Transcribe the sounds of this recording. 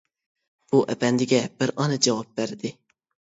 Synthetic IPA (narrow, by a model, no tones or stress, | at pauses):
b̥uʔɛbɛnd̪ɪɡʲɛb̥ɪɾɑːnɛd͡ʒɛwɑp̚bæɾɪd̪ɪ